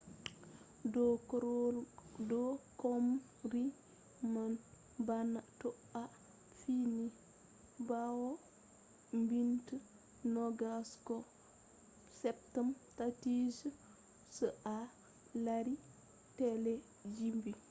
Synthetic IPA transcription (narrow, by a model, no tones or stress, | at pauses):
dɔkɔm | ɾi | man | banːatɔ | a | fini | bawɔ | mbintə | nɔɡaskɔ | sɛptəmtatis | səʔa | laɾi | tɛlɛ | d͡ʒimbi